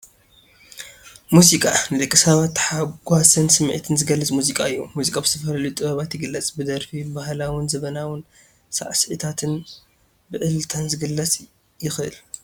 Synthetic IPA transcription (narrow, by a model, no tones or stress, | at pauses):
muzikʼanɨd̪ɨkʼːɨsaβat̪ːħaɡʷasɐnsɨmːʔt̪ʰɨnzɨɡɐlːɐt͡sʼmuzikʼaɨjːumuzikʼabɨz̥ɨt̪ʰɐfɐlɐljut̪ʼɨβɐβat̪jɪɡɨlːɐt͡sʼbɨd̪ɐɾfibahlawʊnzɐβɐnawʊn | sa̰ʕsʕɨt̪ʰat̪ʰɨn | bɨʕɨlt̪ʰanzɨɡɨlːɐt͡sʼ | jɪxɨ̰l